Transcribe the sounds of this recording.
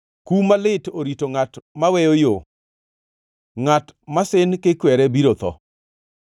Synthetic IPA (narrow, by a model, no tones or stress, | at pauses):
kumalɪtoɾitoŋatmawɛjojo | ŋatmasɪnkɪkwɛɾɛbiɾot̪ɔ̰